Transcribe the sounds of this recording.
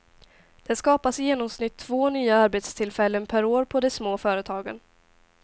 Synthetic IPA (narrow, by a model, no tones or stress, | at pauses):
d̪̥ɛskɑːpasjeːnɔmsnɪt̪ʰːv̥oːnyːaaɾbeːt̪st̪ʰɪlfɛlːənpʰæɾoːɾpʰɔd̪ɛsmoːfœːɾət̪ʰɑːɡə̰n